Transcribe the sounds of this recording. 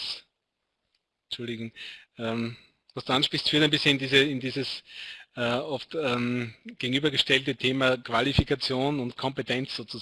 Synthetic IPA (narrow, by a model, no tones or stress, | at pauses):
s | t͡ʃʊldɪɡʊŋʔɛːm | vastd̥uːanʃpʁ̥içstfyːɐtaæɪnmbɪsçənɪndiːzəɪndiːzəs | ɛːɔftɛːmɡ̥eɡŋ̩yːbɐɡəʃtɛltətʰeːmɐkʰv̥alifikʰat͡sjoːnʊntkʰɔ̃mpetʰɛnt͡sz̥oːt͡su